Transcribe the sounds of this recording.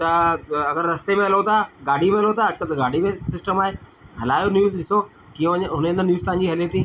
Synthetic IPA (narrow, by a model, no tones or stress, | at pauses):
t̪ɐɐɡəɾːɐst̪emẽɦɐlot̪aɡaːɽ̤ʱimẽɦɐlot̪aɐd͡ʑkəlt̪ɡaːɖ̤ʱimẽsɪsʈəmaːɦe | ɦɐlaːjonjuːzɗɪso | kijõʋɐɲɦʊneə̃nd̪əɾnjuːzt̪ãːɲd͡ʑiːɦɐlet̪ĩː